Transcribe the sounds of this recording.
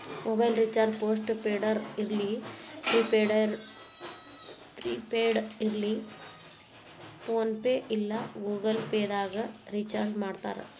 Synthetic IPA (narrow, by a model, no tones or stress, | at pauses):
mobɐjlɾit͡ʃaːɾd͡ʒpoːsʈpeːɖɐɾiɾɐlipɾiːpeːɖɐɾ | pɾiːpeːɖiɾɐli | poːnpeːʔilːɐɡuːɡɐlpeːd̪aːɡɐɾit͡ʃaːɾd͡ʒmaːɖt̪a̰ːɾḛ